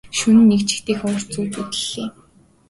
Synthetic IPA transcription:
ʃunɘ̆nːekt͡ɕɪ̥̆xt̪eːxɔr̥t͡suːt͡sut̪ɘ̥̆ɮ̥eː

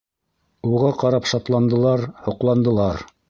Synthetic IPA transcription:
uʁɑqɑɾɑpʃɑt̪lˠɑnd̪ɤ̆lˠɑɾhŏqlˠɑnd̪ɤ̆lˠɑɾ

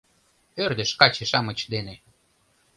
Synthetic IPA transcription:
ørd̪eʃkɑt͡ɕeʃɑmət͡ɕd̪ene

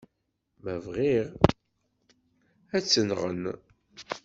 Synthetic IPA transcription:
məvʁiʁ | æt͡sːənʁə̰n

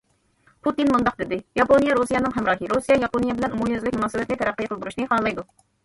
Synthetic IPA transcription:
pʰut̪inmund̪ɑq̚d̪ɪd̪ɪjɑponijɑɾusijɛnɨŋɦɛmɾɑːkʲiɾusijɑjɑponijɛbɪlɛnumumjøzlɪkʲmunɑːsɨbɛt̪nɪt̪ʰɛɾæqːijqʰəlˠɨd̪uɾuʃnɨhɑlˠɑjd̪u

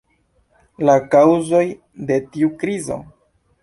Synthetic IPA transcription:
lakawzo̞j | de̞tiukɾizo̞̰

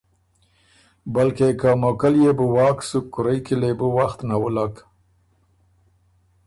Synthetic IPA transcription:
balkekamokaljebəwɑːksukːʊɾəjkilebəwaxt̪nawəlak

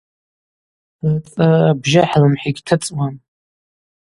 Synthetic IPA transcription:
t͡sʼaabʒaħlɨmħiɡʲtʰɨt͡sʼwan

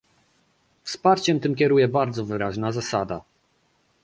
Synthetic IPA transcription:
fspaɾt͡ɕɛmt̪ɘmkʲɛɾujɛbaɾd̪zɔvɘɾaʑnazasad̪a

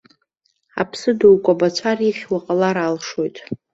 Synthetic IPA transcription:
a̰pʰsɨdowkʷʼabat͡ʃʷʰariχʲwaqʼalaɾalʂo̞jtʼ

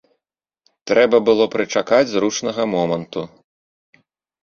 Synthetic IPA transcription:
t̪ɾɛbɐbɨlˠɔpɾɨt͡ʂakad͡zʲzɾut͡ʂnɐɣɐmɔmɐnt̪u

